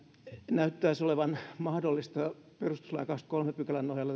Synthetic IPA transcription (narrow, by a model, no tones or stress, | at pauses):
næyt̪ːæːsoleʋɑnmɑhdolːist̪ɑ | perust̪u̥slɑjɑkɑkst̪kolmepykælænːohjɑlːɑ